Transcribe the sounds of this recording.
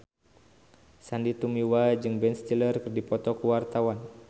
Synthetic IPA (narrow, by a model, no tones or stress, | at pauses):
sandit̪umiwad͡ʒɨŋbɛnst̪ilərkɨrdipɔt̪ɔkuwart̪awan